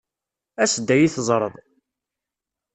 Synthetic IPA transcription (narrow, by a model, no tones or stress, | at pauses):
æsəd̪ːæjiθəzˤɾˤəðˤ